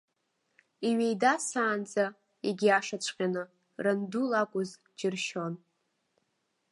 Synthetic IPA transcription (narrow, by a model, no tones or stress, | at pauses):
iɥejdasaːnd͡za | iɡʲiaʂat͡ɕʷʰʼqʲʼanɨ | randulakʷʼʊz | d͡ʒɪrʃo̞n